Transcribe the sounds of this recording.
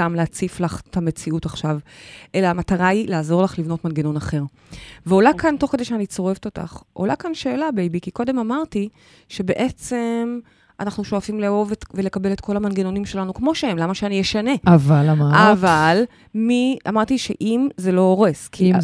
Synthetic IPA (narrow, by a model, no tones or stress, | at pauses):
tamleat͡siflaχtʰame̞t͡siutaχʃavʔe̞laamataʁailaːzo̞ʁlaχlivno̞tmanɡeno̞naχe̞ʁ | veolakʰanto̞χkedeʃeanit͡so̞ʁeveto̞ta̰χʔo̰lakanʃeːlabeejbikiko̞de̞mamaʁti | ʃe̞be̞ʔe̞t͡se̞m | ʔa̰naχnuʃo̞afimleo̞vetvele̞kabe̞letkʰo̞lamanɡeno̞nimʃe̞lanukmo̞ʃehemlamaʃeanijeʃane̞avalamaaval | mia̰maʁtiʃeʔimze̞lo̞oʁeskʰi